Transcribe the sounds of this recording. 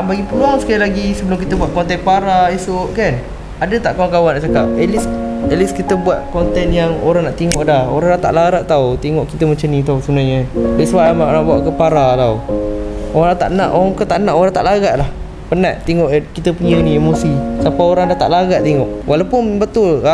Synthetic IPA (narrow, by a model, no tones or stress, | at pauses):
baɡipəluaŋsə̥kajalaɡisəbəlʊmkit̪əbuat̪̚kɔnt̪ɛnpaɾaesʊʔkan | adət̪aʔkawaŋkawandaʔt͡ʃakap̚ɛlisəliskit̪əbuat̪̚kɔnt̪ɛnjaŋoɾaŋnaʔt̪iŋɔʔdahoɾaŋdat̪a̰ʔlaɾaʔt̪aut̪iŋɔʔkit̪əmat͡ʃamnĩt̪ausunaɲədəswaamaʔnãʔbuaʔkəpaɾalaw | oɾãŋt̪a̰ʔnã̰ʔoɾakət̪aʔnãʔoɾaŋt̪a̰ʔlaɡaʔlah | pənaʔt̪iŋɔʔkit̪əpuɲənĩemosisapaoɾaŋdaht̪a̰ʔlaɡaʔt̪iŋɔʔwʔalawpʊnbət̪ʊla